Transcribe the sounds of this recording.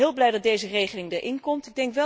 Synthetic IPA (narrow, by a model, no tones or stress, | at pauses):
ɪːlˠblɛjdɑt̚dejzərejχəlɪŋdəɹʔɪnkɔmtɪɡ̚dɛŋkʋɛ